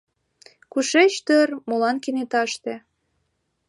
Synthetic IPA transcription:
kuʃet͡ɕt̪ørmolɑnkinet̪ɑʃt̪ĕ

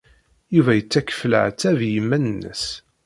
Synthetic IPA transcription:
juvæjət͡sːækə̥fələ̰ʕt͡sːævjəmːænənːə̰s

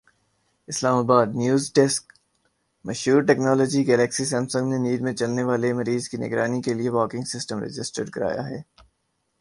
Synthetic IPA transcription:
ɪslaːmaːbaːd̪njuːzɖɛsk | mɐʃɦuːɾʈɛːknɔːlɔːd͡ʒiɡɛːlɛksisɛ̃ːmsʊ̃ŋɡneniːɾmẽt͡ʃɐlneʋaːlemɐɾiːzkinɪ̰ɡɾaːnikelieʋɔːkɪ̃ŋɡsɪsʈəmɾɪ̰d͡ʒɪsʈəɾɖkɐɾa̰ːja̰ɦɛː

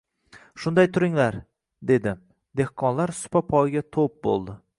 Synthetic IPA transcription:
ʃʊnd̪ajt̪ʰʊɾɪŋlaɾ | d̪e̞d̪ɪ | d̪e̞hqʰɒnlaɾsʊ̥papʰɒjɡʲat̪ʰop̚bo̰lˠd̪ɪ

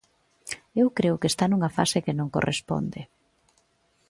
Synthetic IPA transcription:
ewkɾeʊkest̪anuŋɐfa̰sekenõŋko̰rʔḛspo̰nd̪ɪ

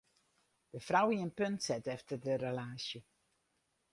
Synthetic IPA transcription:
d̥əfrawiənpøntsɛtɛftərdərəlaːsjə

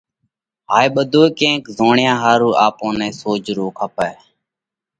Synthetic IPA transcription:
ɦaːiːɓəd̪ʱoːkẽːkzoːɳjãːɦaːɾuːʔaːpõːnɛ̃ːsoːd͡ʒɾoːkʰaːpɛː

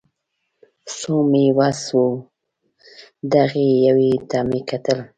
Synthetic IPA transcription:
somewaswu | d̪aɣejawet̪ɑmekat̪əl

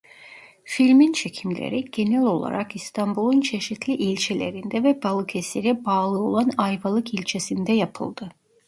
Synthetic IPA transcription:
filʲmint͡ʃʰe̞cʰimlʲḛɾiɟ̥e̞nɛlʲo̞lˠa̰ɾakist̪ʰambulˠunt͡ʃʰe̞ʃit̪ʰlʲiʔilʲt͡ʃʰelʲe̞̰ɾind̪ɛvɛbalˠɯkʰeseɾɛbaːlˠɯo̞̰lˠanajvalˠɯkilʲt͡ʃʰe̞sind̪ɛjapʰɯ̰lˠd̪̥ɯ

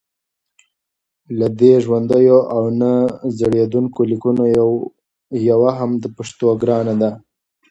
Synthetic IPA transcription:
lad̪eʒwand̪əjoʔawnazaɽjed̪uŋkolikuno | jawaɦamd̪əpaʂt̪oɡɾɑnad̪a

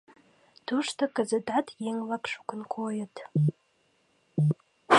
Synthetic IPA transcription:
d̥ʰuʂtʰakʼazadatʰjeŋlakʰʼʂu̥kʷʰʊnkʰojatʰʼ

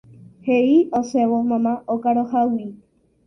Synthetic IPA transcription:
heiosewomãmãʔokaɾohawi

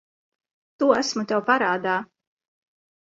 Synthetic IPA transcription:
t̪uːæsmut̪ɛwpaɾaːd̪aː

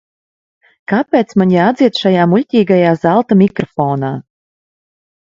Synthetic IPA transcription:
kapʲeːt̪smaɲʲaad̪zʲiɛt̪ʃajaːmulʲt̪ʲiːɡajaːzalˠt̪amʲikɾɔfɔːnaː

